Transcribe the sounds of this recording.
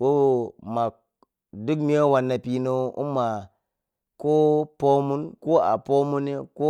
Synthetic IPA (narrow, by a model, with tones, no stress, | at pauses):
wo˦˨ma˨ | du˦kmi˦o˦wa˨nːa˨pi˨no˦ṵ˦mːa˨ | ko˦po˦mu˦nko˦a̰˨po˦mu˦ne˦ko˦